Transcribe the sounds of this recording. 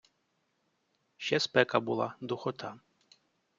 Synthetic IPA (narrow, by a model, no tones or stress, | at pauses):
ʃɛspɛkabṵlˠa̰d̪ʊxɔt̪ʰa